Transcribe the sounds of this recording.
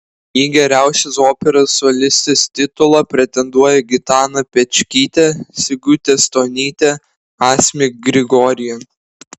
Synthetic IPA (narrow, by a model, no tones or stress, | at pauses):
iːɡʲɛɾʲæˑʊsʲɛsoːpʲɛɾɐsːɔlʲɪsʲt̪ʲɪst̪ʲɪt̪ʊlˠɐpʲɾʲɛt̪ʲɛnd̪uɔjɛɡʲɪt̪ɑːnɐpʲɛt͡ʃʲkʲiːt̪ʲɛsʲɪɡʲʊt̪ʲest̪oːnʲiːt̪ʲɛ | ɑːsʲmʲɪk̚ɡɾʲɪɡɔɾʲɪjɛ